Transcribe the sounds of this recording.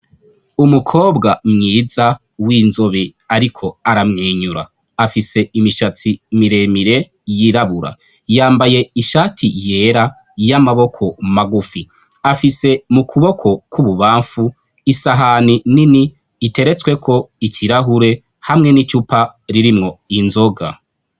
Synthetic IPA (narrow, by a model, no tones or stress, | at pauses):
umukʰo̞ːbɡamŋiːza | wiːnzo̞βiaɾikʰo̞aɾamŋiːɲuɾa̰ː | fise̞imiʃat͡simiɾe̞miɾe̞ | jiɾaβuɾa̰ | jaːmbaje̞iʃaːtʰije̞ɾa | jamaβo̞kʰo̞maɡufi | afise̞mukʰuβo̞kʰo̞kʰuβuβaːɱfu | isaɦanininiː | te̞ɾe̞t͡swe̞kʰo̞icʰiɾaɦuɾe̞ | hamŋe̞nicupaɾiɾimŋo̞inzo̞ɡa̰